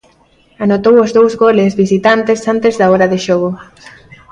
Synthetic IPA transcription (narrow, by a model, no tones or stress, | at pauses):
anot̪owozðowzɣolezβisit̪ant̪esant̪ezðaɔɾaðeʃoɣo